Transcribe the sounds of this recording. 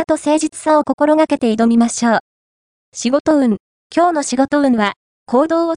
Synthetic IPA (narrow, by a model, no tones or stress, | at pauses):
at̪o̞se̞ːʑit͡sɨ̥sãoko̞ko̞ɾo̞ɡake̞t̪e̞id̪o̞mʲimaɕo̞ː | ɕiɡo̞t̪o̞ɯ̟̃ŋ | kʲo̞ːno̞ɕiɡo̞t̪o̞ɯ̟̃ɰ̃βa | kʰo̞ːd̪o̞ːo